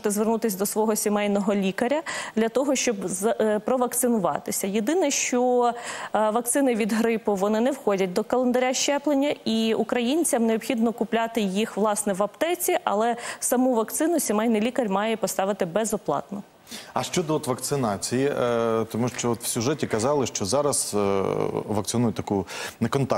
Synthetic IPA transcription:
t̪ɛzʋernut̪ɪsʲd̪ɔsʋɔɦɔsʲimɛjnɔɦɔlʲikɐɾʲɐd̪lʲɐt̪ɔɦɔʃt͡ʃɔbzpɾɔʋɐk̚t̪sɪnʊʋɑ̰t̪ɪsʲɐjed̪ɪnɛʃt͡ʃɔ | ʋɐk̚t̪sɪnɪʋʲid̪ɦɾɪpʊʋɔnɪnɛwxɔdʲɐt̚ʲd̪ɔkɐlˠend̪ɐɾʲaʃt͡ʃɛplˠenʲːɐiukɾɐjinʲt͡sʲɐmneɔpxʲid̪nɔkʊplʲɑt̪ɪjixʋlˠɑsnɛʋɐpt̪ɛt͡sʲiʔɐlˠɛsɐmuʋɐkt̪sɪnʊsʲimɛjnɪlʲikɐrʲmɑjɛpɔst̪ɑʋɪt̪ɪbɛzɔplˠɑ̰t̪nɔ | ɐʃt͡ʃɔd̪ɔɔt̪ʋɐkt̪sɪnɑt͡sʲijit̪ɔmuʃt͡ʃɔɔt̪w̥sʲʊʒɛtʲikɐzɑlˠɪʃt͡ʃɔzɑɾɐs | ʋɐk̚tsɨnujʊt̪ʲɐkunɛkɔnt̪ɑ

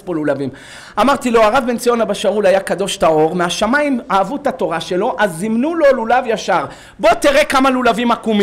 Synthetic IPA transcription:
polulavim | amaʁt̪ilo̞aʁavbe̞nt͡sio̞nabaʃaulajakad̪o̞ʃtao̞ʁmeaʃamaimaːvutato̞ʁaʃe̞lo̞ʔazimnulo̞lulavjaʃaʁ | bo̞t̪iʁekamalulavimakum

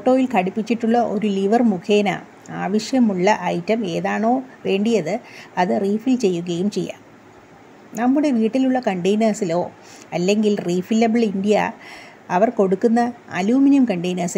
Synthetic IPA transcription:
foʈːo̞ːjilkɐɽipːit͡ɕːiʈːuɭːɐʔo̞̰ɾuliʋɐrmukʰeːna̰ː | aːʋɐɕjɐmuɭːɐʔɐjtːɐme̞ːðaːɳo̞ːʋe̞ːɳɖijɐðɨɐðɨriːfilt͡ɕe̞jːuɣɐjumt͡ɕe̞jːa̰ːm | nɐmːuɽe̞ʋiːʈːiluɭːɐkɐɳʈejnaːsilo̞ː | ɐlːe̞ŋɡilriːfilːɐbɨɭindijɐ | ɐʋɐrko̞ɽukːunːɐɐ̰luːminjɐmkɐɳʈejnaːsi

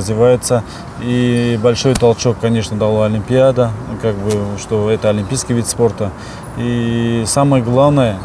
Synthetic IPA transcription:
zʲvʲɪvajɪt̪sə | ibɐlʲʂo̞jt̪ɐlˠt͡ɕo̞kːɐnʲe̞ʂnəd̪ɐlˠaɐlʲɪmʲpʲɪad̪əkaɡ̚bɨʂt̪o̞ɛt̪əɐlʲɪmʲpʲijskʲɪjvʲit̪spo̞rt̪ə | isaməjəɡlˠavnəjə

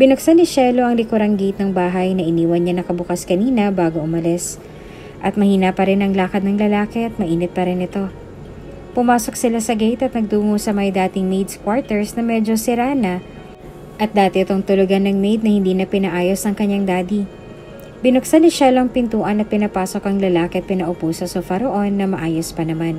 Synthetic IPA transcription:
bɪnʊk̚sanɪʃɛlo̞ʔɐŋlɪkoɾɐŋɡejt̪̚nɐŋbaːɦɐjnɐʔɪniːwɐnɲanɐkɐbʊkaskɐniːnɐbaːɡo̞ʔʊmɐlɛs | ʔɐt̪̚mɐhiːnɐpɐɾɛnɐŋlaːkɐd̪nɐŋlɐlaːkɛʔɐt̪̚mɐʔiːnɪt̪̚pɐɾɛnɪt̪o̞ | pʊmaːso̞ksɪlasɐɡejt̪ɐt̪̚nɐɡ̚d̪uːŋosɐmɐjd̪aːt̪ɪŋmejd̪skwaɹt̪ɛɹsnɐmɛːd͡ʒosɪɾaːnɐ | ʔɐt̪̚d̪aːt̪ɛɪt̪oŋt̪ʊlʊɡanːɐŋmejd̪̚nɐhɪnd̪iːnɐpɪnɐʔaːjo̞sɐŋkɐɲːaŋd̪aːd̪i | bɪnʊk̚sɐnɪʃaloŋpɪnt̪uːʔɐnːɐt̪̚pɪnɐpaːso̞kʔɐŋlɐlaːkɛpɪnɐʔʊpuːsɐsofɐɾoʔo̞nːɐmɐʔaːjospɐnɐman

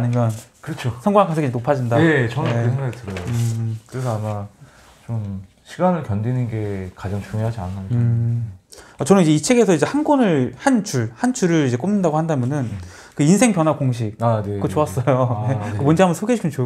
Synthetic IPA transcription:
animjʌnkɯɾʌt͡ɕʰosʰʌŋɡwaŋkasʰɡid͡ʑeopʰad͡ʑindaet͡ɕʌnɯnesʰeŋɡaɡitɯɾʌoɯkɯɾesʰʌama | t͡ɕom | ɕʰiɡanɯɭkjʌndinɯnɡe̞kad͡ʑaŋt͡ɕuŋjoɦad͡ʑia̰nʰaa | at͡ɕʌnɯnid͡ʑe̞it͡ɕʰeɡe̞sʰʌid͡ʑe̞hanɡonɯɭhant͡ɕuɭhant͡ɕʰuɾɯɾid͡ʑe̞k͈omnɯndaɡohandamjʌnɯn | kɯinsʰe̞ŋpjʌnɦwakoŋɕ̬ʰik̚anekot͡ɕoas͈ʌjoekɯmʌnd͡ʑeambʌnsʰoɡeɕʰikʰmʌnt͡ɕo

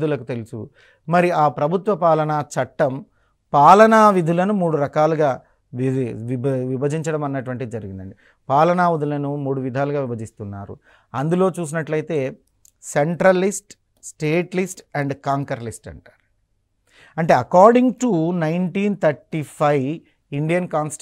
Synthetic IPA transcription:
d̪ulɐku̥t̪e̞lusṵ | mɐɾiaːpɾɐbʱut̪ʋɐpaːlɐnaːt͡ʃɐʈːɐm | paːlɐnaːʋid̪ʱulɐnumuːɽuɾɐkaːluɡaː | ʋʋibɐd͡ʒiɲt͡ʃɐɽɐmɐnːɐʈuʋɐɳʈid̪id͡ʒɐɾiɡind̪ɐɳɖi | paːlɐnaːʋud̪ʱulɐnumuːɽuʋid̪ʱaːluɡaːʋibɐd͡ʒist̪unːaːɾṵ | ɐnd̪ulo̞ːt͡ʃuːs̬inɐʈlɐjt̪e̞ː | seɳʈɾɐlisʈ | sʈeːʈlisʈɛɳɖkaːŋkɐɾlisʈɐ̰ɳʈḁːɾ | ɐɳʈe̞ːɐkaːɾɖiŋɡʈunɐjnʈiːnt̪ʰɐɾʈipʰɐj | iɳɖijɐnkaːns

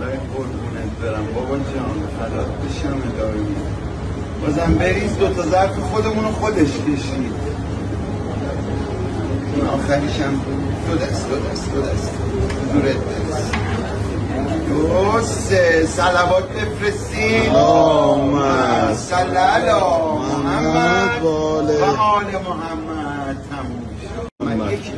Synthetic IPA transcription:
ɾɒjeboɾbunæt̪ʰbeɾæmbɒbɒd͡ʒɒːnfælɒːt̪̚ʰbeʃæmed̪ɒːvemi | bɒːzæmbeɾisd̪o̞t̪ʰɒzæɾfexo̞d̪e̞munoxo̞d̪eʃkʲʰe̞ʃid̪̥ | inɒːxæɾiʃæm | ʃod̪æsd̪od̪æsd̪od̪æst̪ezuːɾet̪̚beɾes | d̪̥oɾos | esælævɒːt̪̚ʰbe̞fɾes | i | mæsælːælɒːhæmː | lvæɒːlemoɦæmːæd̪̚t̪ʰːæmummʃemænjekʰ

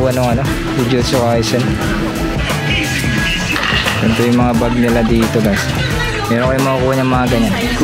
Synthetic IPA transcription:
ɐnoŋɐno | hud͡ʒosokaːjsɛn | k̪ɛnt̪ojʊŋmɐŋabaɡ̚nɪlad̪iːt̪obas | mɛːɾoŋkɐjʊŋmɐŋakuːhɐɲɐŋmɐaɡɐɲan

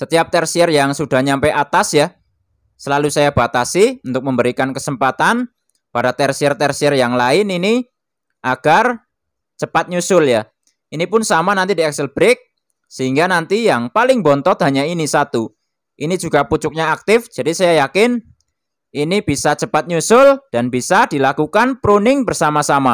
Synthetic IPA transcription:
sət̪iap̚t̪ɛrsiɛrjaŋsud̥a̤ɲampɛat̪asjah | səlalusajab̥a̤t̪asiunt̪ʊk̚məmbəɾikankəsəmpat̪an | padat̪ɛrsiɛrt̪ɛrsiɛrjaŋlaɪnini | ʔaɡ̥ar | t͡ʃəpat̪̚ɲusʊlja | inipʊnsamanant̪idiɛksəlb̥əɾɪk̚ | səɦiŋɡanant̪ijaŋpalɪŋbɔnt̪ɔt̪̚ɦaɲainisat̪u | ʔinid͡ʒuɡ̥aput͡ʃʊk̚ɲaak̚t̪ɪfd͡ʒ̥adisajajakɪn | ʔinib̥isat͡ʃəpat̪̚ɲusʊld̥anb̥isad̥i̤lakukanpɾunɪŋbərsamasama

